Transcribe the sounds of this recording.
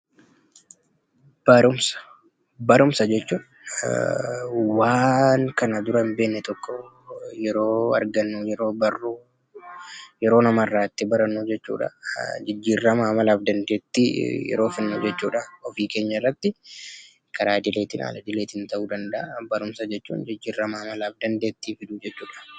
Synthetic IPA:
b̥ɐɾʊmsɐ̥ | bɐɾʊmsɐd͡ʒɛt͡ʃːuːᶑɐ | waːŋkɐnɐd̪ʊɾɐɪmbe̞ːnːɛt̪ɔkːɔ | jɛɾo̞ːɐ̰ɾɡɐnːujɛɾo̞ːbɐrːu | jɛɾo̞ːnɐmɐɪrːaːɪt̪ːɪbɐɾɐnːuːd͡ʒɛt͡ʃːṵːᶑɐ̰d͡ʒɪd͡ʒːiːrːɐmamɐlaːfd̪ɐnd̪e̞ːt̪ːijɛ̰ɾoːfɪnːuːd͡ʒɛt͡ʃːuːᶑɐɔfiːke̞ːɲːɐrːɐt̪ːɪ | kʰɐɾaːd̪ɪleːt̪ɪna̰ːlɐd̪ɪleːt̪ɪnt̪ɐʔuːd̪ɐnd̪ɐʔɐbɐɾʊmsɐd͡ʒɛt͡ʃːṵːnd͡ʒɪd͡ʒːiːrːɐmamɐlaːfd̪ɐnd̪e̞ːt̪ːiːfɪd̪uːd͡ʒɛt͡ʃːuːᶑɐ̥

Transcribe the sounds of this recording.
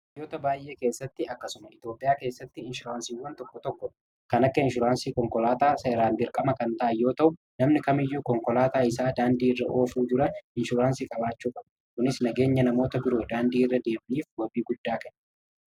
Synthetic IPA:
jo̞ːt̪ɐbaːjʔe̞ːke̞ːsːɐt̪ːɪɐkːɐsʊmɐɪt̪joːpʼɪjaːke̞ːsːɐt̪ːɪɪnʃʊɾaːnsiːwɐnt̪ɔkːɔt̪ɔkːɔ | kɐnɐkːɐɪnʃʊɾaːnsiːkɔŋkɔlaːt̪aːsɐɪɾaːnb̪ɪɾkʼɐmɐkɐnt̪ɐʔɐjːo̞ːt̪ɐʔʊ | nɐmnɪkɐmɪjːuːkɔŋkɔlaːt̪aːɪsaːd̪aːnd̪iːɪrːɐʔo̞ːfuːd͡ʒɪɾɐɪnʃʊɾaːnsiːkʼɐbaːt͡ʃːuːkʼɐbɐ | kʊnɪsnɐɡe̞ːɲːɐnɐmo̞ːt̪ɐbɪɾo̞ːd̪aːnd̪iːɪrːɐd̪e̞ːmɐniːfwɔbiːɡʊd̪ːaːkɛn

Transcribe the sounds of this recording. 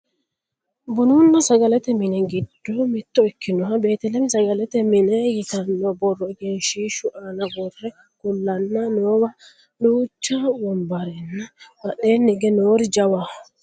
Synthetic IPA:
bʊnʊnːɐsɐɡɐlɛt̪ɛmɪnɛɡɪd̪̥ːɔmɪt̪ːɔɛkʰːɪnɔɦɐbe̞ːt̪ɛlɛmɪsɐɡɐlɛt̪ɛmɪnɛjɪt̪ɐnːɔbɔrːɔɛɡɛnʃiːʃʊʔanɐɡɔrːɛ | kʊlːɐnːɐnoːwɐ | luːt͡ʃːawɔmbɐɾɛnːɐmɐɗeːnːɪɡɛnoːɾɪd͡ʒɐwa

